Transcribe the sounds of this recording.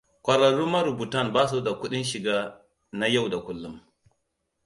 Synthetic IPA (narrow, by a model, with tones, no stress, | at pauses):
kʷɐ˨ɾɐ˨ɾuː˦mɐ˦ɾʊ˨bu˨tɐ˦˨nbaː˦s̬u˦da˨kʷʊ˦ɗɪ˦nʃɪ˨ɡaː˦ | na˦ja˦˨wda˨kʷʊ˦lːʊ˦m